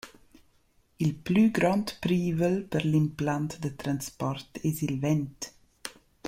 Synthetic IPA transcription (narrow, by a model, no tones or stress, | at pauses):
ilplyɡɾɔnt̪pɾiːvəlpəɾlimplant̪d̪ət̪ɾanspɔrt̪ɛsilvɛnt̪